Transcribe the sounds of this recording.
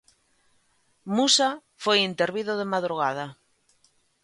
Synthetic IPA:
musa | fojint̪eɾβiðoð̞emaðɾuɣ̞að̞a

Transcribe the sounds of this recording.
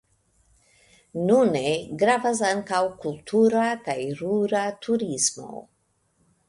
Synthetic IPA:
nuneɡɾavas̬aŋkawkultʰuɾakajɾuɾatʰuɾismo̞̰

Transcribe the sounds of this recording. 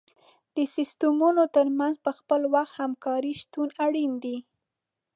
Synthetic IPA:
d̪̥əsɪst̪əmunot̪əɾmanzpəxpəlwaxt̪hamkɑɾiʃt̪unaɽind̪i

